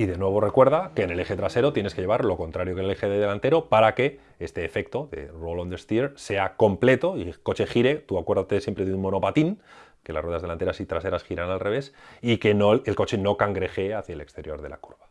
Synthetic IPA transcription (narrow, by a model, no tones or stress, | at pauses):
iðe̞nwe̞β̞o̞re̞kwe̞ɾð̞ake̞ːne̞le̞xet̪ɾase̞ɾo̞t̪je̞ne̞skee̞βaɾlo̞ko̞nt̪ɾaɾjokelexeðeðelant̪eɾo̞paɾake̞ | est̪e̞ːfe̞k̚t̪o̞ðe̞̰rolond̪est̪iɾse̞ako̞mple̞t̪o̞iko̞t͡ʃe̞xiɾe̞t̪uakwe̞ɾðat̪esjempɾe̞ðunmo̞no̞pat̪iŋ | ke̞la̰sre̞ðazðelant̪e̞ɾasit̪ɾase̞ɾasxiɾanalre̞β̞e̞sikenoelko̞t͡ʃe̞no̞kaŋɡɾe̞xeaθjaele̞kst̪e̞ɾjo̞ɾðe̞la̰ku̥ɾβa